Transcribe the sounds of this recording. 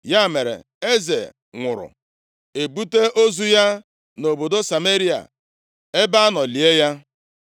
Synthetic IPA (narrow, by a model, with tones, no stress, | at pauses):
ja˦˨me˨ɾḛ˨ | e˦ze˨ | ŋʷʊ˨ɾʊ̰˨ | e˨bu˦te˦ʔo˦zu˦ja˦ | no˨bo˨do˦sa˨me˦ɾi˦a̰˨ | e˦ba˦a˦nɔ˨li˨e˦ja˦